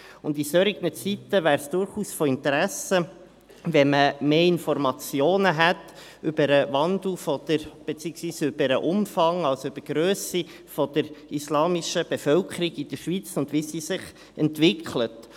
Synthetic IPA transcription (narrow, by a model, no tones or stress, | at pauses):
ʊndisøɾiɡnət͡sitːəʋæːɾsd̥ʊɾχuːsfɔɪntəɾæsə | ʋɛməmeːɪnfɔrmɑt͡sjoːnəɦæt | ʔʏbəɾəʋɑnd̪l̩fɔd̪̥əɾb̥et͡siːəksʋiːsʏb̥əɾəʔʊmfɑŋɑlsyb̥əɡ̥ɾøːsi | fɔd̥̪əɾislɑːmɪʃəb̥efœlkʰəɾiɡid̥̪əɾʃʋit͡sʊndʋisiːsɪχ | ɛntʋɪkʰlət